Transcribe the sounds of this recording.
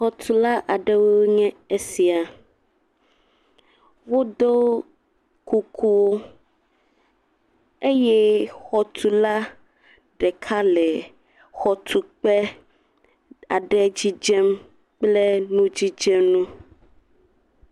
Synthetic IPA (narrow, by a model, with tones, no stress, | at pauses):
xɔ˨t̪ʰu˨la˦ʔa˨ɖe˦wo˦wɲɛ̃˦e˦si˨a˨ | wo˦d̪o˦ | ku˨kʰu˦wo˦ | e˦jɛ˦xɔ˨t̪ʰu˨la˦ | ɖɛ˨kʰa˦lɛ˨ | xɔ˨t̪ʰu˨k͡pɛ˦ | a˨ɖɛ˦d͡ʑi˦d͡ʒɛ˦m | k͡plɛ˦nũ˦d͡ʑi˦d͡ʒɛ˦mnũ˦